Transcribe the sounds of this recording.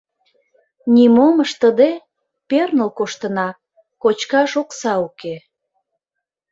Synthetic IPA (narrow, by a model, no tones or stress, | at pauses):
nʲimoməʃt̪əd̪e | pernəlkoʃt̪ənɑ | kot͡ɕkɑʃoksɑuke